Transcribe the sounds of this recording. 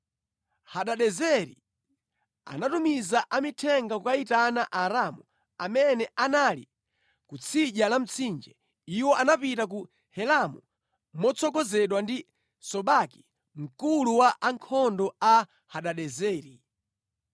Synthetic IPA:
haɗaɗɛzɛɾḭ | a̰natumizaʔamitʰɛŋɡakukaitanaʔaɾamu | amɛnɛʔanalḭ | kut͡sʰiʄalam̩t͡sʰind͡ʒɛ | iwɔʔanapitak̬u | hɛlamu | mɔt͡sʰɔkɔzɛɗwandi | sɔɓaki̥ | m̩kuluwaʔaŋkʰɔndɔa | haɗaɗɛzɛːɾi

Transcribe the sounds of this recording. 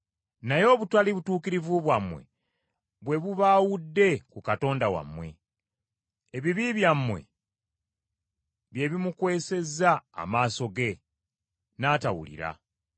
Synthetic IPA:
najo̞ːβutaliβutuːkiɾivuβwamwe̞̰ | βwe̞βuβaːwudːe̞kukato̞ːndawa̰mːwe̞̰ | eβiβiβjamːwe̞̰ | βje̞ːβimukwe̞ːse̞za̰ːmaːso̞ɡe̞ | naːtawṵlḭɾa̰

